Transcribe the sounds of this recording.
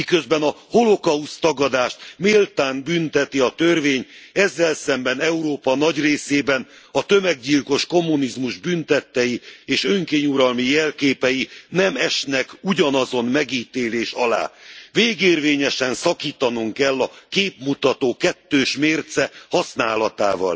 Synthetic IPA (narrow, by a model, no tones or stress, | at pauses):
mikø̞zbɛnɒho̞lo̞kɒust̪ɒɡɒd̪aːʃt̪meːlt̪aːnbynt̪ɛt̪iɒt̪ørveːɲɛzːɛlsɛmbɛnɛuɾoːpɒnɒɟreːseːbɛn | ɒt̪ø̞mɛɡɟilko̞ʃko̞mːunizmuʒbynt̪ɛt̪ːɛjieːʃø̞ŋkeːɲuɾɒlmijɛlkeːpɛjinɛmɛʃnɛkuɟɒnɒzo̞nmɛɡiːt̪eːleːʃɒla̰ːveːɡeːrveːɲɛʃɛnsɒkiːt̪ɒnuŋkɛlːɒkeːpmut̪ɒt̪oːkɛt̪ːøːʃmeːrt̪sɛhɒsnaːlɒt̪a̰ːvɒ̰l